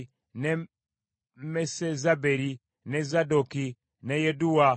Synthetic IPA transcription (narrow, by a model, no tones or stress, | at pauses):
ne | mesezabeɾi | nezadoki | nɛjɛduwa